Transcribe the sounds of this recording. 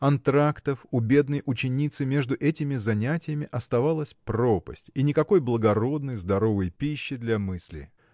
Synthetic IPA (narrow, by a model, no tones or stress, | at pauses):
kɐnt̪ɾakt̪əfʊbʲe̞d̪nəjʔʊt͡ɕɪnʲit̪sɨmʲe̞ʐd̪ʊʔɛtʲɪmʲɪzɐnʲætʲɪjəmʲɪʔɐst̪ɐvalˠəsʲpɾopə̰sʲtʲinʲɪkɐko̞jblˠəɡɐɾo̞d̪nəjzd̪ɐɾo̞vəjpʲiɕːɪd̪lʲɐmɨsʲlʲɪ̰